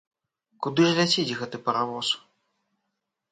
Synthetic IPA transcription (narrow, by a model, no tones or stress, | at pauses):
kud̪ɨʐlʲat͡sʲid͡zʲɣɛt̪ɨpɐɾavɔs